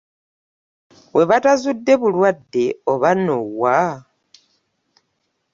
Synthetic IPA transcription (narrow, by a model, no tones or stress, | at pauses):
we̞βatazudːe̞βulwadːe̞oβanowwa